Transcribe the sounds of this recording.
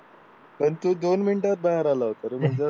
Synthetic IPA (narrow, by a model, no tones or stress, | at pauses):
pəɳt̪ud̪onminʈat̪̚baɦaɾalaɦot̪aɾem̤əɳd͡za